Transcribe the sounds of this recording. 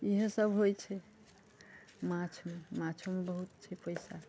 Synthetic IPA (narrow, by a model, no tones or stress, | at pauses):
iɦə̃səbʱɦojt͡ʃʰɛ | mãt͡ʃʰmemat͡ʃʰomebəɦut̪t͡ʃʰɛpəjsa